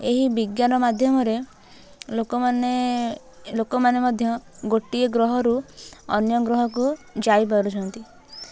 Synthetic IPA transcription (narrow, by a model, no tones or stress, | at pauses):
eɦibiɡjanɔmad̪ʱjɔmɔɾe | lokɔmane | lokɔmanemɔd̪ʱjɔɡoʈieɡɾɔɦɔɾuɔ̰njɔɡɾɔɦɔkud͡ʒaipɔɾut͡ʃʰɔnt̪i